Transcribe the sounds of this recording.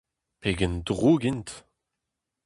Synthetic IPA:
peːɡɛndʁoːɡint̪

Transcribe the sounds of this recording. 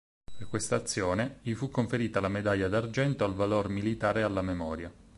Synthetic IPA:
perkːwest̪aːt̪sːjoːneʎifukːoɱfeɾiːt̪alamed̪aʎːad̪ard͡ʒɛnt̪oalvalormilit̪aːɾealːamemɔːɾja

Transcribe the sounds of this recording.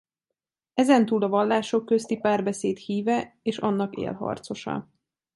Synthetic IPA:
ɛzɛnt̪uːlɒvɒlːaːʃo̞kːø̞st̪ipaːrbɛseːt̪hiːvɛeːʃɒnːɒkḛːlɦɒ̰rt̪so̞ʃɒ̰

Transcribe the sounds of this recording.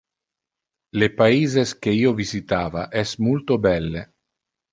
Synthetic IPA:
lepaiːzeskeiːovizit̪aːvaʔɛsmult̪obɛlːe

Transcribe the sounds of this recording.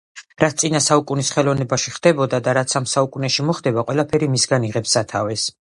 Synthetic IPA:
ɾat̪ʰt̪ʼinasaukʼunisχɛlˠɔvnɛbaʃiχd̪ɛbɔd̪ad̪aɾat̪sʰamsaukʼunɛʃimɔχd̪ɛbaqʼwɛlˠapʰɛɾimisɡaniʁɛpsat̪ʰavɛs

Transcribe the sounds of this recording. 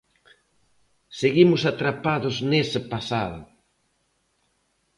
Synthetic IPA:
seɣimʊsat̪ɾapaðʊznesɪpasaðʊ̰

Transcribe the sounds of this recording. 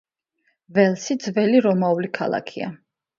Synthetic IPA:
vɛlˠsid̪zvɛliɾɔmaulikʰa̰lˠa̰kʰia̰

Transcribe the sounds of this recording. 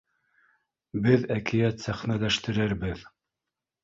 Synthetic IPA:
bɘðækʰɘ̆jæt̪sæχnælæʃt̪ɘ̆ɾɘɾbɘð

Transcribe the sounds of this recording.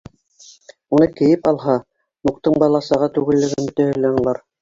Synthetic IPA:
unɤkɘ̆jɘpɑlˠɦɑ | nuq̚t̪ɤɴbɑlˠɑsɑ̆ʁɑt̪ʉɡɘ̆lːɘ̆ɡɘmbɵ̆t̪æhɘ̆lːænulˠɑɾ

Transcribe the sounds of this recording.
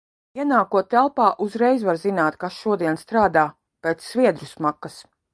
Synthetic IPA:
iɛnaːkuɔt̪ːælˠpaːʔuzɾɛjzvaɾzinaːt̪kasʃuɔd̪iɛnst̪ɾaːd̪aː | peːt̪sːvʲiɛd̪ɾusmakːɐs

